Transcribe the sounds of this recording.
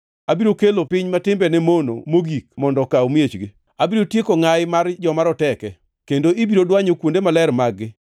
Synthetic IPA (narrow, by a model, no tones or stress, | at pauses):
abiɾokelopɪɲmatɪmbɛnɛmono̰moɡik̚mɔndɔkawmjet͡ʃɡɪ | abiɾotjekoŋajɪmard͡ʒɔmaɾɔtɛkɛ | kendoibiɾodwaɲokwondemalɛrmaɡːɪ